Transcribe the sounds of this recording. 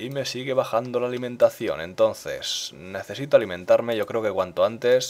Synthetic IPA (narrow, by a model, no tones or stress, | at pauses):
ime̞siɣe̞β̞axand̪o̞laːlimẽ̞nt̪aθjo̞̰nẽ̞̰nt̪o̞nθe̞̰sne̞θe̞sit̪oalimẽ̞nt̪aɾme̞ʝo̞kɾeoke̞kwant̪oant̪e̞s